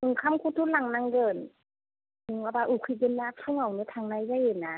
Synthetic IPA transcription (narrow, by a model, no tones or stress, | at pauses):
mɯŋkʰamkʰut̪ʰulaŋnaŋɡɤːn | ɯŋwabaʔukʰɯɡɯnːatʰuŋawnɯt̪ʰaŋnajzajhenːa